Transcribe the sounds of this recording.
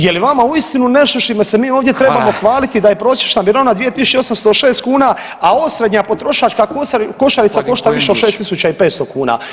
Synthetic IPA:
je̞liʋamauist̪inuneʃoʃimesemiːo̞ːʋd̪jet̪ɾe̞bamo̞xʋaːlit̪id̪aje̞pɾo̞ːsje̞t͡ʃnabiɾanad̪ʋije̞t̪isu̥t͡ʃeo̞samst̪oʃe̞ːst̪kuːna | aosɾe̞d̪ɲapo̞t̪ɾo̞ʃat͡ʃkakko̞ʃaɾit̪sako̞ʃt̪aʋiʃeoʃe̞ːst̪isut͡ʃaipe̞ːt̪st̪okuːna̰ː

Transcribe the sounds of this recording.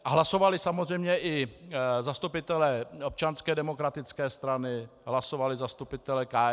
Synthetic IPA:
aɦlaso̞valɪsamozr̝ɛjmɲɛʔɪzast̪upɪt̪ɛlɛːo̞p̚t͡ʃanskɛːdɛmo̞kɾat̪ɪt͡skɛːst̪ɾanɪɦlaso̞valɪzast̪upɪt̪ɛlɛkaː

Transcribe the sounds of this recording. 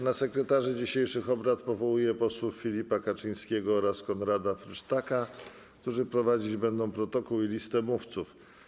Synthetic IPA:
nasɛkɾɛt̪aʐɘd͡ʑiɕejʂɘxɔbɾat̪pɔvɔwujɛpɔswuffʲilʲipakat͡ʂɘɲ̃skʲɛɡɔɔɾaskɔnɾad̪afɾɘʂt̪aka | kt̪uʐɘpɾɔvad͡ʑid͡ʑbɛnd̪ɔ̃w̃pɾɔt̪ɔkuwilʲist̪ɛmuft̪suf

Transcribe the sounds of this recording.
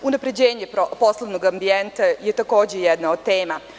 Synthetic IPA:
unapɾe̞d͡ʑeːɲepo̞slˠoʋnoɡambient̪ajet̪ako̞ːd͡ʑejɛd̪naod̪̚t̪e̞ːma

